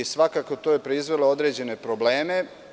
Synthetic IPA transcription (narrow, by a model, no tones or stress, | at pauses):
isʋakaːkot̪ojepɾeizʋe̞lˠoo̞d̪ɾe̞ːd͡ʑe̞ne̞pɾobleːme̞